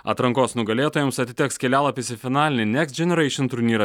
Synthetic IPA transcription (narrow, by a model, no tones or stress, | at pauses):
ɐ̰t̪ɾɐŋkoːsnʊɡɐlʲeːt̪oːjɛmsɐt̪ʲɪt̪ʲɛkskʲɛlʲæːlˠɐpʲɪsʲɪfʲɪnɑːlʲɪnʲɪnʲɛksʲd͡ʒʲɛnʲɛɾɐɪʃʲɪnt̪ʊɾʲnʲiːɾɐ